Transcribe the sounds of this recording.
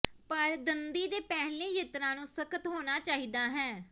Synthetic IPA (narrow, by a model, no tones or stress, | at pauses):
pəɾd̪ənd̪iːd̪eːpɛːɦlẽːjeːt̪ɾãːnũːsəkət̪ɦoːnaːt͡ʃaːɦiːd̪aːɦɛː